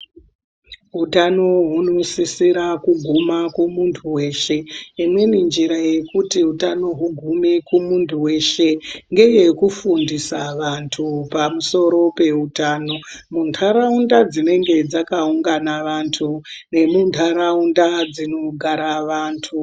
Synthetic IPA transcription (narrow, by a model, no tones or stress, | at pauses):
ɦutano̞ɦuno̞sisiɾakuɡʱumakumuntʰuwe̞ːʃe̞imwe̞nind͡ʒiɾaje̞kutiɦutano̞ɦuɡʱumekumuntʰuwe̞ʃe̞ŋɡe̞je̞kufundisaʋantʰupamuso̞ɾo̞pe̞ɦutaːno̞muntʰaɾaundad͡zine̞ŋɡe̞d͡zakauŋɡanaʋantʰune̞muntʰaɾaundad͡zino̞ɡʱaɾaʋaːntʰu